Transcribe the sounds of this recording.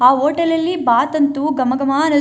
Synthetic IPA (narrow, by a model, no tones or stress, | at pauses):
aːoːʈɐlɐlːibaːt̪ɐnt̪uɡɐmɐɡɐmaːɐnɐ